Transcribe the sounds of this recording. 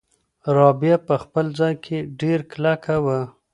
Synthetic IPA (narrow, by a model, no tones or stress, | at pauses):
ɾɑbjapəxpəld͡zɑjkʰeɖeɾklakʰawa